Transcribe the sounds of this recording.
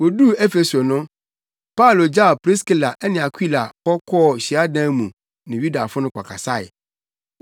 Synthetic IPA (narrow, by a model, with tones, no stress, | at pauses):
wo˨du˦ɛ˦fe˨so˨nʊ̃˦ | pa˦ʊ˨lo˨d͡ʑa˦˨pɾi˦ski˦la˨ʔɛ˦nɪ̃˨a˨kʰi˦la˨pɔ˦kʰɔ˦˨ɕi˨a˦dã˦mũ˨ | nɪ̃˨ɥu˦da˨fʊ˦nʊ̃˦kʰʷa̰˨kʰa˨sa˦ɪ̰˨